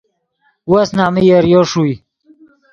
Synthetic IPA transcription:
wasnaːmijəɾjoʂui

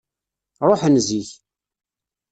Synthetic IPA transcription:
ɾˤoħənziç

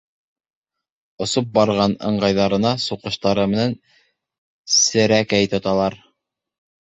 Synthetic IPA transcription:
ŏsop̚bɑɾʁɑnɤ̆ɴɢɑjðɑɾɤ̆nɑsuqɤ̆ʃt̪ɑɾɤmɘ̆næn | sɘ̆ɾækæjt̪ŏt̪ɑlˠɑɾ

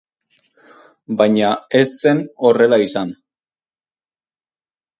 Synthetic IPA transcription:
bajɲae̞st͡se̞no̞re̞laisan

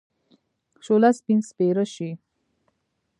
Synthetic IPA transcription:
ʃolaspinspeɾəʃi

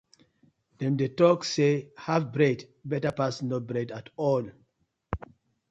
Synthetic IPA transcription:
dɛ̃mdetɔksehavbɹɛd | bɛtapasnobɹɛdatɔl

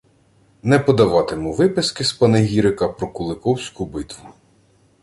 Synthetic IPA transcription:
nɛpɔd̪ɐʋɑt̪ɪmuʋɪpɪskɪspɐneɦʲiɾɪkɐpɾɔkʊlˠɪkɔwsʲkubɪt̪ʋʊ

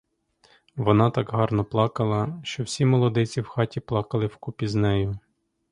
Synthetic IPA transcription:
ʋɔnɑt̪ɑkɦɑrnɔplˠɑkɐlˠɐʃt͡ʃɔwsʲimɔlˠɔd̪ɛt͡sʲiwxɑtʲiplˠɑkɐlˠɪwkupʲiznɛjʊ

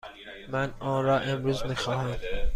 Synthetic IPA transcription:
mænɔːnɾɒːʔemɾuːzmixɑːhæm

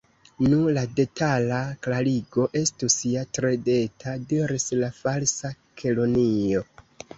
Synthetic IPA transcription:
nulade̞tʰalaklaliɡo̞ʔe̞stusiatɾe̞de̞tʰadiɾislafalsa | kʰe̞lo̞nio̞

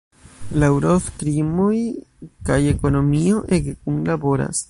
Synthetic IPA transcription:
lawɾoft̪ɾimojkajekonomioʔeɡekuŋlaboɾa̰s

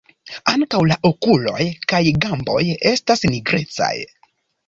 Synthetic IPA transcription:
aŋkawlaʔokulo̞̰jkajɡambo̞̰je̞stasniɡɾe̞̰t͡sa̰j

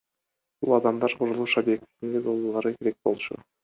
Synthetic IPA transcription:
b̥ulˠɑd̪ɑmd̪ɑɾqʰuɾulˠuʃobje̞k̚t̪i̥t̪ind̪ed͡ʒolˠd̪olˠɑɾɯke̞ɾek̚bo̞lˠt͡ʃṵ

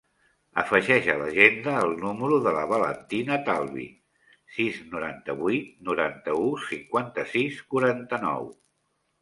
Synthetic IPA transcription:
əfəʒɛʃələ̰ʒend̪əːlˠnuməɾuðələβələ̰nt̪inət̪alˠβḭ | siznuɾant̪əβit̪̚nuɾant̪əusiŋkwant̪əsiskuɾant̪ənɔ̰w

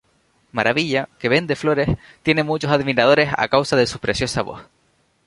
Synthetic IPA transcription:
maɾaβiʎake̞βend̪e̞flo̞ɾe̞s | t̪je̞ne̞mut͡ʃo̞saðmiɾað̞o̞ɾe̞sa̰kawsaðe̞supɾesjo̞saβo̰θ

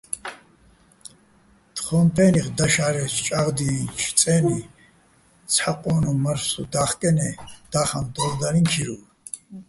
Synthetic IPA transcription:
t̪χɔmpʰɛniʁd̪aʃaɾɛst͡ʃʼaʁd̪it͡ʃʰt͡sʼɛni | t͡sʰħaqʼɔnuməɾsṵd̪aχkʼɛnɛd̪̥aχand̪ɔzd̪aɾinkʰiɾu

